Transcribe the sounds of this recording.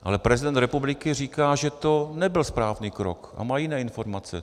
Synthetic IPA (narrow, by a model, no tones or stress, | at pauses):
ʔa̰lɛpɾɛzɪdɛnt̪ɾɛpublɪkɪriːkaːʒɛt̪o̞nɛbɪlspɾaːvniːkɾo̰kʔa̰maːjɪnɛːɪnfo̞ɾmat͡sɛ̰